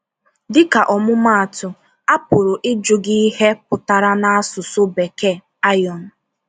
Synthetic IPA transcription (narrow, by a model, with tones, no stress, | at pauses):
dɪ˦ka˨ʔɔ˨mʊ˦ma˦a˨tʊ˨ | a˦pʊ˨ɾʊ˨ʔɪ˦d͡ʒʊ˨ɡi˦i˦he˦pʊ˨ta˨ɾa˦na˦a˦sʊ˨sʊ˦be˨ke˦ | a˦jɔ˨n̩˨